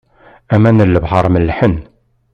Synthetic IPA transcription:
æmænəlːəbhɑɾˤmənlħən

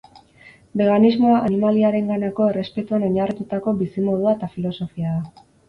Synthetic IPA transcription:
be̞ɣanizmo̞aʔanimaliaɾe̞ŋɡanako̞e̞re̞spe̞t̪uano̞ɲarit̪ut̪ako̞bisimo̞ðuaet̪afilo̞so̞fiaða

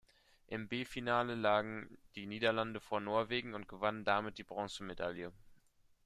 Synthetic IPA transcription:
ʔɪmbeːfinaːləlaːɡŋ̩d̥iːniːdɐlandəfoːɐnoːɐveːɡŋ̩ʊnt̚ɡ̥əvanəndamɪt̚d̥iːbʁɔ̃ŋsəmedaljə

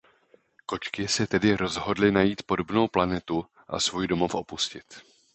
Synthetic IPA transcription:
ko̞t͡ʃkɪsɛt̪ɛdɪɾo̞zɦo̞dlɪnajiːt̪po̞do̞bno̞wplanɛt̪u | ʔa̰svuːjdo̞mo̞fʔo̞puscɪt̪

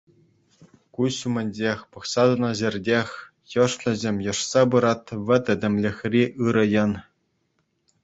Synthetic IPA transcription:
kuɕumʲɘ̆nʲd͡ʑʲexʲpɤ̆χsɑd̪ɤ̆nɤ̆ʑʲĕrʲdʲexʲ | jɤ̆ʂlʲɘ̆zʲemʲjɤ̆ʂsɑbɯɾɑt̪ʋʲɘ̆t̪ʲɘ̆dʲɘ̆mʲlʲɘ̆xʲrʲiʔɯɾɤ̆jɤ̆n

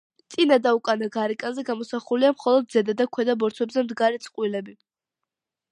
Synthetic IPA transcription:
t̪sʼinad̪aukʼanaɡaɾɛkʼanzɛɡamɔsaχuliamχɔlˠɔd̪̚zɛd̪ad̪akʰwɛd̪abɔɾt̪ʰwɛbzɛmd̪ɡaɾɛt̪sʰʼqʼwilɛbi

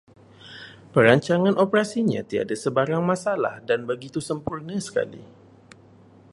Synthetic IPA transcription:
pəɾaɲt͡ʃaŋãnʔopɾasiɲã̰t̪ia̰dasəbaɾaŋmãsala̰hdanbəɡit̪usəmpurnãsə̥ka̰lḭ

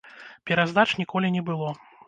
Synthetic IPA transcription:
pʲɛɾazd̪at͡ʂnʲikɔlʲinʲɛbɨlˠɔ

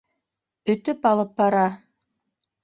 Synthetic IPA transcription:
ɵ̆t̪ɵpɑlˠɤp̚bɑɾɑ

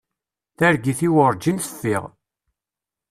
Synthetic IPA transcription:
θæɾɡiθiwəɾˤd͡ʒinθə̥fːiʁ

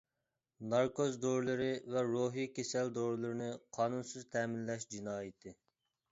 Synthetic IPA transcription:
nɑɾkozd̪oɾlˠɨɾɪvɛɾoɦijkʲʰesɛld̪oɾlˠɨɾɨnɨqʰɑːnunsɨzt̪ʰɛːmɪnlɛʃd͡ʒinɑːjit̪ʰɨ

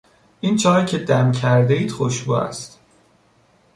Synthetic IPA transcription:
ʔint͡ʃʰɒːicʰe̞d̪æmcʰæɾd̪eiːd̪̥xoʃbṵːæ̰st̪

